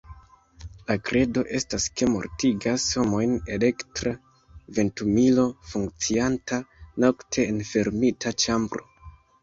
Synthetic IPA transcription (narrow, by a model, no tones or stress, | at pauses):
lakɾe̞do̞ʔe̞staske̞mo̞̰ɾtiɡasho̞mo̞jne̞le̞ktɾa | ve̞ntumilo̞fuŋk̚t͡siantano̞ktʰe̞ːnfe̞ɾmitʰat͡ʃambɾo̞̰